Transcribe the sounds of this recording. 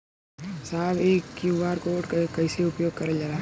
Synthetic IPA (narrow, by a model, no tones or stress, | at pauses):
saːbeːkːibaːɾkoːʈkkɐɪseʊpjoːɡ̚kɐɾəd͡ʒaːɾa